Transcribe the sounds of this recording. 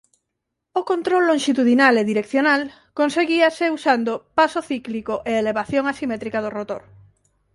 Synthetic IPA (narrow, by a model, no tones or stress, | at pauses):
okont̪ɾolːõŋʃit̪uðinaleðiɾekθjonal | konseɣiaseusand̪opasoθiklikoʔeeleβ̞aθjoŋasimet̪ɾikaðorot̪oɾ